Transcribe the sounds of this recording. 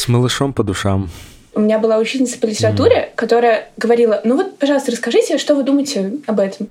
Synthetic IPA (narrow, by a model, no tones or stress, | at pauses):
sməlˠɨʂompəd̪ʊʂam | ʊmʲɪnʲabɨlˠaʊt͡ɕit̪ʲnʲɪt̪sə̥pəlʲɪtʲɪɾɐt̪uɾʲɪkɐt̪o̞ɾəjəɡəvɐɾʲilˠənuvo̞t̪̚pɐʐɑlˠəst̪əɾəskɐʐɨtʲɪʂt̪o̞vɨd̪uməjɪtʲɪɐbɛt̪əm